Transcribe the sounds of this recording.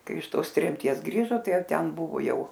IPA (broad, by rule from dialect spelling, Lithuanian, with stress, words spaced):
ˈkɐɪ ɪʃ ˈtoːs tʲrʲɛmʲˈtʲiɛs ˈɡrʲiːʒoː ˈtɐɪ ˈjɛʊ ˈtʲɛn ˈbʊʋoː ˈjɛʊ